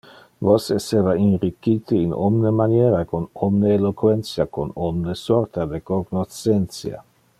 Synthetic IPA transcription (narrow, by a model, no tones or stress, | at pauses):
vosesevainɾikit̪iino̰mnemanjeːɾaekonomneːlokwent̪sjakonomnesort̪ad̪ekoɡnot͡sent̪sja̰